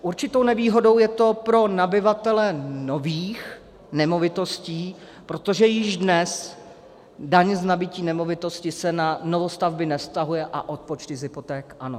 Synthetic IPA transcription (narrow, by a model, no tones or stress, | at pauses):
ʔuɾt͡ʃɪt̪o̞wnɛviːɦo̞do̞wjɛt̪o̞pɾo̞nabɪvat̪ɛlɛno̞viːx | nɛmo̞vɪt̪o̞sciː | pɾo̞t̪o̞ʒɛjɪʒdnɛs | daɲznabɪciːnɛmo̞vɪt̪o̞scɪsɛnano̞vo̞st̪avbɪnɛst̪aɦujɛʔaʔo̞t̪̚pot͡ʃt̪ɪzɪpo̞t̪ɛːkʔano